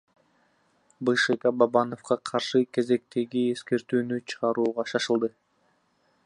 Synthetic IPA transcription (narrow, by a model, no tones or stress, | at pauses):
bɯʃekabɑbɑno̞fqɑqʰɑɾʃɯkʲe̞ze̞k̚t̪e̞ɡie̞ske̞ɾt̪yːnyt͡ʃʰɯʁɑɾuːʁɑʃɑʃɯlˠd̪ɯ